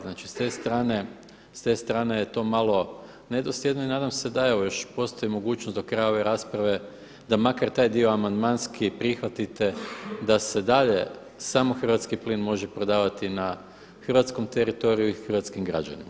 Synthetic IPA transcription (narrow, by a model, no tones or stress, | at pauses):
znaːt͡ʃi̥st̪e̞st̪ɾaːne | st̪e̞st̪ɾaːnejet̪o̞ːmalˠo̞ | ne̞d̪osjed̪noinaːd̪amse̞d̪ae̞ʋo̞jo̞ʃpo̞st̪o̞imo̞ɡuːt͡ʃnosd̪o̞kɾajao̞ʋe̞ɾaːspɾaʋe̞ | d̪amakaɾt̪aːjd̪io̞amand̪manskipɾixʋat̪it̪e̞d̪ase̞d̪aʎe̞ | samo̞xrʋat̪skipliːnmo̞ʒepɾo̞d̪aːʋat̪ina | xr̩ʋat̪sko̞mt̪eɾit̪o̞ɾijuixr̩ʋat̪skimɡɾa̰d͡ʒa̰nḭma